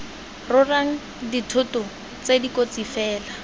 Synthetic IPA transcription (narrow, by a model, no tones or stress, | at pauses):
rʊraŋ̩ | ditʰʊtʊ | t͡sedikot͡sifɛːla